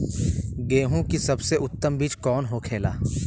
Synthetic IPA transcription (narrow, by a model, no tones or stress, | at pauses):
ɡeːɦũkisɐbseʔʊt̪ːəmbiːt͡ʃkɔːnɦokʰeːla̰ː